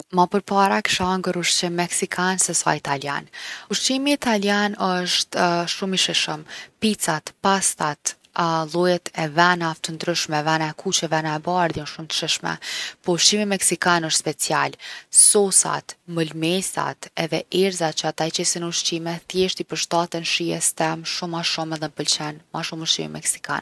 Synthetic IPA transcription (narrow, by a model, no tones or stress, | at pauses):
mapəɾpaɾaki̥ʃaŋɡəɾuʃt͡ʃimmɛksikʰansɛsa̰it̪alja̰nuʃt͡ʃimiːt̪aljanɔʃt̪ʃumiʃɛʃəmpit͡sat̪past̪at̪ | lˠɔjɛt̪ʰɛvɛnaft̪ənd̪ɾəʃmɛvɛnaɛkʰut͡ʃɛvɛnaɛbaɾðjɛnʃumt̪ə̥ʃiʃmɛ̰pɔuʃt͡ʃimimɛksikanəʃt̪spɛt͡sialsɔsa̰t̪məlmɛsa̰t̪ɛðɛʔɛɾzat͡ʃəat̪at͡ʃɛsənuʃt͡ɕimɛθjɛʃt̪ipəɾʃt̪at̪ɛnʃiɛst̪ɛmʃumaʃumɛðɛmpəlt͡ɕɛnmaʃumuʃt͡ʃḭmḭmɛ̰ksi̥ka̰n